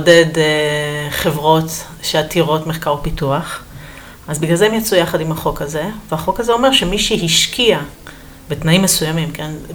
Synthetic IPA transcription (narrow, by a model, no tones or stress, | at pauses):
ode̞d | χe̞vʁo̞t | ʃeatiʁo̞tmeχkaʁopituaχ | ʔazbiɡlalzeemjat͡sujaχadimhaχo̞kaze̞vehaχo̞khazeo̞me̞ʁʃe̞miʃiɦiʃkʰia | betnaimːesujamimke̞n